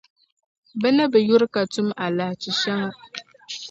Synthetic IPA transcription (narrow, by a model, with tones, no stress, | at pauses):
bɛ˦na˦bɛ˨ju˦ɾɪ˦ka˨tʊ˦ma˨la˨ht͡ʃi˨ʃa˦ŋa˦